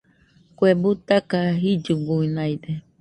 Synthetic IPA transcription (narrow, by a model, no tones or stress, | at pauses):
kwebut̪akaɦid͡ʒuɡuinajd̪e